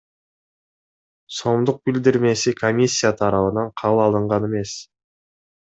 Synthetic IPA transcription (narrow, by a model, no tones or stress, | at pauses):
so̞md̪ʊq̚bɪld̪ɪɾme̞sɪkʰo̞mʲisʲːijat̪ʰɑɾɑβənɑɴqʰɑβəlˠɑlˠəɴʁɑne̞me̞s